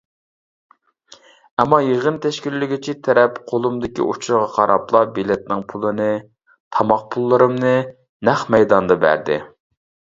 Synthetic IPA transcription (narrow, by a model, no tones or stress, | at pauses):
ɛmːɑjeʁənt̪ʰɛʃkʲilːɪɡʲit͡ʃʰit̪ʰɛɾɛpqʰolˠumd̪ɪkʲḭʔut͡ʃʰuɾʁɑqʰɑɾʔɑplˠɑbilɪt̪̚nɪŋpʰulˠɨnɨ | t̪ʰɑmɑq̚pʰulˠːɨɾɨmnɨ | næχmɛjd̪ɑnd̪ɑbæ̰ɾd̪ɪ̰